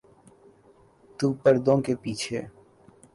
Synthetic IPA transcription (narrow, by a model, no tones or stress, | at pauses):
t̪uːpəɾd̪õkepiːt͡ʃʰeː